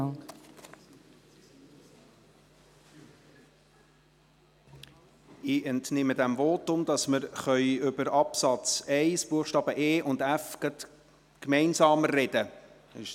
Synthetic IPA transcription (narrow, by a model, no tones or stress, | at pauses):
ɪʔɛntnɪmədæmvoːtʊmdɑsməɾχœʏʏbəɾɑpsɑt͡sɛɪsb̥uəχʃtɑːb̥əʔeːʔʊndæfɡ̥ət | kmɛɪnsɑːmərːɛd̥ə | ɪ̰ʃ